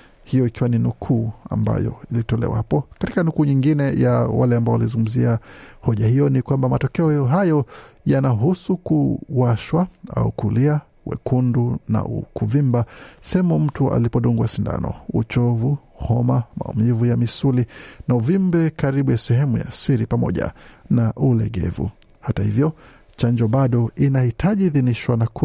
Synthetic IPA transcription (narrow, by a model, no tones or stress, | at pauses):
hijɔikiwaninukʰuːa̰mba̰jɔ̰ilitɔlɛ̰waapɔkati̥kanukuːɲiŋɡinɛjawalɛambaɔwalizuŋɡum̩ziahɔʄahijɔnikwambamatɔkɛɔɦajɔjanaɦusukuwaʃwaa̰ukulia | wɛ̰kunduna̰ukuvimbasɛɛmum̩tua̰lipɔɗuŋɡwasinda̰nɔ̰ut͡ʃɔvu | hɔmama̰ṵmivujamisulinauvimbɛkaɾiɓujasɛhɛmuja̰siɾipamɔ̰ʄa̰naʔulɛɡɛ̰vṵ | hatahivjɔ | t͡ʃaɲd͡ʒɔɓaɗɔinahitʰaʄiːðiniʃwanak